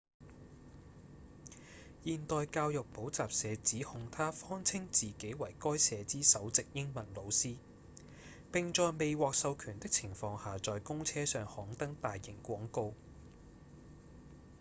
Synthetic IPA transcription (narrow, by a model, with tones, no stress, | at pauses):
jiː˨nt̪ɔː˨jkaː˧wjʊ˨k̚po˨˥wt͡saː˨p̚sɛː˨˧t͡siː˨˥hʊ˨˧ŋt̪ʰaː˥fɔː˥ŋt͡sʰɪ˥ŋt͡siː˨ke˨˥jwɐ˨˩jkɔː˥jsɛː˨˧t͡siː˥sɐ˨˥wt͡sɪ˨k̚jɪ˥ŋmɐ˨˩nlo˨˧wsiː˥ | pɪ˨ŋt͡ʃɔː˨˧jme˨jwɔː˨k̚sɐ˧wkʰyː˨˩nt̪ɪ˥k̚t͡sʰɪ˨˩ŋfɔː˧ŋhaː˨t͡sɔː˨jkʊ˥ŋt͡sʰɛː˥sœː˨ŋhɔː˨˥ŋt̪ɐ˥ŋt̪aː˨jːɪ˨˩ŋkʷɔː˨˥ŋko˧w